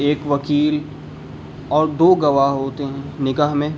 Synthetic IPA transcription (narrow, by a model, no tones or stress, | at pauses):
eːkʋɐkiːl | ɔːɾd̪oːɡɐʋaɦɦoːt̪eɦɛ̃nɪkaːɦmẽ